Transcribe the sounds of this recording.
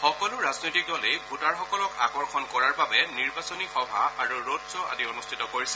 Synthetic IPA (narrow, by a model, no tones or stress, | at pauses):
xɔkɔlʊɹaznojtik̚dɔlejbʱutaɹxɔkɔlɔka̰ɡɔɹxʰɔnkɔɹaɹbabɛniɹbasɔnixɔbʱa̰aɹuɹodzɔʔa̰dionustʰitɔkoɹisɛ